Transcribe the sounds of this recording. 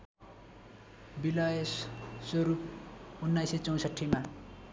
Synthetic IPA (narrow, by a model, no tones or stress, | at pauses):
bilajessʌɾup̚unːajset͡sʌw̃sʌʈʰːima